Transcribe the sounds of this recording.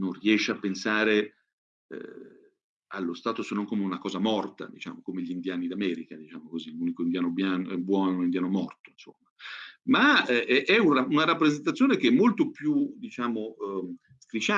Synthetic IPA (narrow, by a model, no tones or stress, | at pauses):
nonriɛʃːeapːensaːɾe | ɛ̰ | a̰lːost̪aːt̪osenːoŋkomeunakɔːzamɔrt̪a̰d̪it͡ʃa̰ːmokomeʎind̪jaːnid̪amɛːɾikad̪it͡ʃaːmokoziluːnikoind̪jaːnobjaːnobwɔːnounind̪jaːnomɔrt̪oinso̰mːamaɛʔɛuaunaɾapːɾezent̪at̪sːjoːnekeɛmːolt̪opjud̪it͡ʃaːmo | st̪ɾit͡ʃa